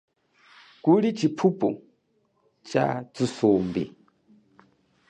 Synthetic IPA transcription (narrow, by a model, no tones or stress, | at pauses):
kulit͡ʃʰipʰupʼu | t͡ʃa̰d͡zusombḭ